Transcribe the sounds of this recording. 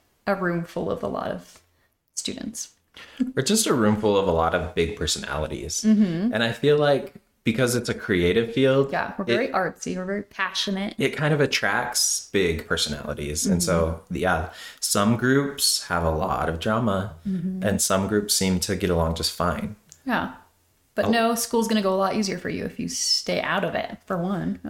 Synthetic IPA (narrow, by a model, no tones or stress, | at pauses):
ʔəɹʉ̃ɱfʊlˠʌ̰və̰lɔ̰ɾʌ̰v̥ | stʉ̰dⁿn̩ts | ə˞d̥ʒ̥ʌstɨɹʉ̃ɱfʊl̩ˠʌvəlɔ̰ɾʌvbɪɡ̚pʰɜ˞sɨnæ̰lˠəɾḭz̥̩m̥m̩ʔɨ̃ñaɪfilaɪk̚ | b̥ɨkʰʌzɨtsɨkʰɹ̥ieɪɾɨv̥filˠdjæ̰wəɹɹiʔɑɹpsḭwə˞vɛɹipʰæʃɨnɨt̚ɨt̚kʰãɪ̃ndʌvɨtʰɹ̥æ̰k̚tsb̥ɪɡ̚pʰɜ˞sɨnæ̰lˠə̰ɾḭz̥ɨ̃nsoʊjæsʌ̃mɡɹʉpshəvəlɔ̰ɾʌvdɹɑməʔɨ̃nsʌ̃mɡɹʉpsĩmtʰɨɡɛɾəlɔ̃ŋd͡ʒʌstfãɪ̃njæ | b̥ʌnoʊskulˠzɡʌñɨɡoʊəlɔɾʔiziə˞fə̰˞jʉ̰ɨ̰fjɨ̰steɪʔa̰ʊɾʌvɪ̰t̚fə˞wʌ̃n